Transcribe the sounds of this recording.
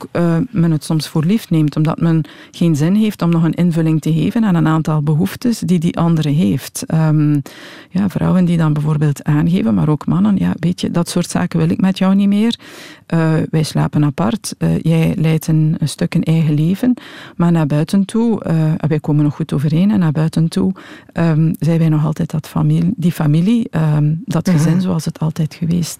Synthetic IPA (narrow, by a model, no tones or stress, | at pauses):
kːmɛnətsɔmsfoːrliftneːmtɔmdɑ̰tmən | xeːnzɪnɦeːftɔmnɔɣənʔɪnvɵlɪŋtəɦeːvənaːnənaːntɑlˠbəɦuftəsdidiʔɑndəɾəɦeːftəm | jaːvrɔ̰wəndidɑnbɛvoːrbeːlˠtʰaːnɣḛːvənma̰ːɾoːkmɑnənja̰ːəbeːtjə̰dɑtsoːrtsa̰ːkəʋɪlɪkmɛtjɔwnimeːrʔəʋɛjsla̰ːpənɑpɑrtə̰ːjɛjlɛjtʰənnstøkənʔɛːɣəleːvənmaːrnaːrbœɥtəntʰuəɛʋɛjkoːmənːɔxutoːvərɦeːnɛnːaːrbœːɥtəntuʔəmzɛjʋɛjnɔxɑlˠtɛːtdɑtfamidifamiliədɑtxəzɪnzoːɑlˠsətʰɑlˠtɛjtxəʋeːst